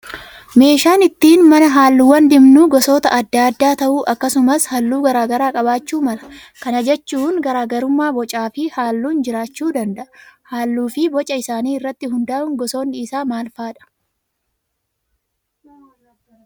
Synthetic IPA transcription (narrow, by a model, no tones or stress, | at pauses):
me̞ːʃaːnɪt̪ːiːnmɐnɐɦaːlːʊwɐnd̪ɪmnuːɡɔso̞ːt̪ɐʔɐd̪ːaːd̪ːaːt̪ɐʔuːʔɐkːɐsʊmɐshɐlːuːɡɐɾaːɡɐɾaːkʼɐbaːt͡ʃːuːmɐlɐ̥ | kɐnɐd͡ʒɛt͡ʃːuːŋɡɐɾaːɡɐɾʊmːaːbɔt͡ʃʼaːfɪhaːlːuːnd͡ʒɪɾaːt͡ʃːuːd̪ɐnd̪ɐʔɐhaːlːuːfɪbɔt͡ʃʼɐɪsaːniːɪrːɐt̪ːɪɦʊnd̪aːʔʊŋɡɔso̞ːnːɪɪsaːmaːlfaːᶑɐ̥